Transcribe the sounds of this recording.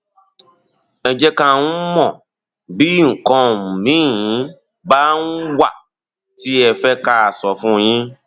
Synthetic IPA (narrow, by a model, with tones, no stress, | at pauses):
ɛ˧d͡ʒɛ˦kã˧˨ũ˦mɔ̃˦˨ | bi˦ŋ̩˨kɔ̃˧˨mĩ˨˦˨ĩ˨˦ | ba˦n̩˦wa˦˨ | ti˦ɛ˧fɛ˦ka˦a˨sɔ˨fũ˦˧j̃ĩ˦